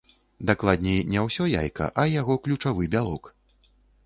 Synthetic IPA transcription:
d̪aklˠad̪ʲnʲɛjnʲɛwsʲɔja̰jkɐ̰ʔɐjaɣɔklʲut͡ʂavɨbʲalˠɔk

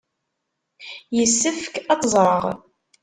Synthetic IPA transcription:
jəsːəfkɑt̪ˤzˤɾˤəʁ

